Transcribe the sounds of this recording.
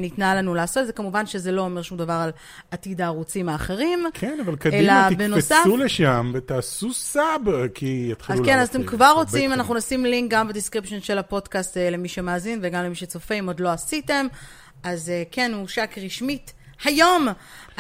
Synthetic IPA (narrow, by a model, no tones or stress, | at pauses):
nitnalanulaːso̞tdze̞kamuvanʃe̞zelo̞ːme̞ʁʃumdavaʁal | atidaʁut͡simaːχeʁimkʰenavalkadelabenosauleʃamvet̪aːsusabkʰiet̪χiukenazat̪emkvaʁːo̞t͡simanaχnunasimliŋk̚ɡambediskʁipʃenʃelhapo̞dkastele̞miʃemaːzinveɡamlemiʃet͡so̞feimo̞dlo̞asite̞m | azekenuʃakʁiʃmit | hajo̞m